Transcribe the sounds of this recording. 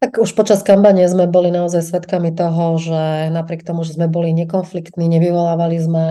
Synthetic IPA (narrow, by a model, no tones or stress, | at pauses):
t̪akuʃpɔt͡ʃaskampaɲɪɛzmɛbɔlinaɔzajsʋɛt̪kamit̪ɔɦɔʒɛnapɾɪɛkt̪ɔmuʒɛzmɛbɔliɲɛkɔnflikt̪niːɲɛʋiʋɔlaːʋalizmɛ